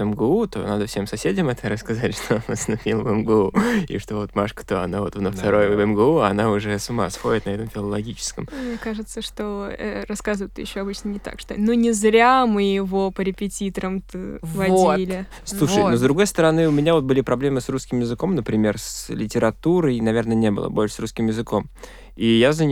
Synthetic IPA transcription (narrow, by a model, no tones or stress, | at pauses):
ɛmɡəut̪o̰nad̪əfsʲe̞msɐsʲedʲɪmɛt̪əɾəskɐzatʲʂt̪oonvasnɐfʲilˠvɛmɡəuḭʂt̪o̞vo̞t̪maʂkə̥t̪oɐ̰navo̞t̪vnəft̪ɐɾojvɛmɡəuɐnaʊʐɛsʊma̰sxo̞dʲɪt̪nɐɛt̪əmfʲɪlˠəlˠɐɡʲit͡ɕɪ̥skəmmnʲekaʐɨt̪səʂt̪oɛ̰ɾɐskazvɨjt̪ːɨjɪɕːoɐbɨt͡ɕnənʲɪt̪a̰kʂt̪o̰nonʲɪzɾʲamɨjɪvopəɾʲɪpʲɪtʲit̪əɾəmt̪ɨvvɐdoilʲɪ | slˠuɨjnozd̪ɾʊɡo̞jst̪əɾɐnɨʊmʲɪnʲavo̞t̪̚bɨlʲɪpɾɐblʲe̞mɨsruskʲɪmjɪzɨko̞mnəpɾʲɪmʲe̞rslʲɪtʲɪɾɐt̪uɾəjnɐvʲe̞rnənʲe̞bɨ̰lˠə̰bolʲʂə̥sɾuskʲɪmjɪzɨko̞m | ijazənʲ